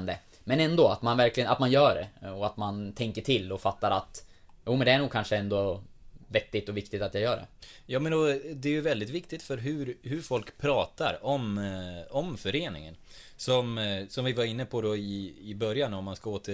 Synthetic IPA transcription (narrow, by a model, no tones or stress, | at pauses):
nd̪ə | mɛnɛnd̪oːat̪manvæɾklɪɡəna̰t̪manjœːɖɛ̰ɔat̪mant̪ʰɛŋkəʈʰɪlːɔfat̪ːaɾa̰t̪ | juːmɛnd̪ɛæɳuːɡ̚kʰanʂəɛnd̪ovɛt̪ːɪt̪ɔvɪkt̪ɪt̪at̪jaɡjœːɖɛ̰jɑːmɛnɔd̪ɛjɵvɛld̪ɪt̪vɪkt̪ɪt̪fœɾɦɵɾhɦɵɾfɔlkpʰɾɑːt̪a̰ɾɔm | ɔmfœɾeːnɪ̰ŋə̰n | sɔmsɔmvɪvaɾɪnːəpʰɔd̪ɔɪːbœɾjanɔmːanskaoːt̪ʰə